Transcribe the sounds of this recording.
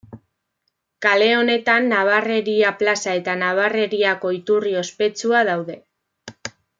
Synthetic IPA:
kale̞o̞ne̞t̪anːaβ̞are̞ɾiaplasae̞t̪anaβ̞are̞ɾiako̞it̪urio̞spe̞t͡suað̞awðe̞

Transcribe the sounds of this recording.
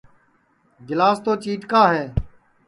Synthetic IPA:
ɡɪlaːst̪oːt͡ʃiːʈkaːɦeː

